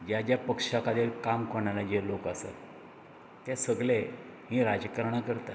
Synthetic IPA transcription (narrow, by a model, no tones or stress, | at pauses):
d͡ʑjad͡ʑjapəkʂakad̪ilkamkoɳalad͡ʑelokasa̰t̪ | t̪asəɡɭe | ɦĩɾad͡ʑəkəɾɳakəɾt̪a